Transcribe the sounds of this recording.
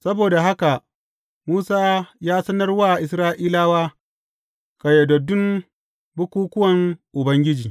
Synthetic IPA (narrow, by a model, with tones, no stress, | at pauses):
sɐ˦boː˨da˨ɦa˦ka˨ʔ | muː˦saː˦jaː˦sɐ˦nɐ˦rwaː˦˨ʔɪ˨s̬ɾaː˦ʔiː˦laː˦waː˦ | ka˨jɛ˨dɔ˨dʊ˦m | bʊ˦kʷuː˦kʊ˦wɐ˨ŋʔʊ˨bɐ˦ŋɡʲɪ˦d͡ʒiː˨